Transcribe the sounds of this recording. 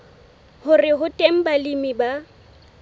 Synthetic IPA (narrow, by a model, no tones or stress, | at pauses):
hʊrɪɦʊtʼem̩balimiba